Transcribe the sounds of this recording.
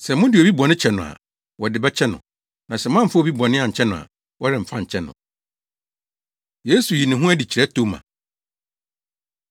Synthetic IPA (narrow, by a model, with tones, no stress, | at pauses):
sɛ˨mʊ̃˦dɪ˨ɔ˨bi˦bɔ˨nɪ̃˦t͡ɕʰɛ˦nʊ̃˨a̰˨ | wɔ˨dɪ˨bɛ˦t͡ɕʰɛ˦nʊ̰̃˨ | nã˨sɛ˨mã˦m̩˨fa˦ɔ˨bi˦bɔ˨nɪ̃˦ã˨ɲ̩˨t͡ɕʰɛ˦nʊ̃˨a̰˨ | wɔ˦ɾɪ̃˨m̩˨fã˦ɲ̩˨t͡ɕʰɛ˦nʊ̰̃˨ | je˦su˨ji˨nɪ̃˨ɦʊ̃˦æ˦di˨t͡ɕʰi˨ɾɛ˦tʰo˦mã̰˨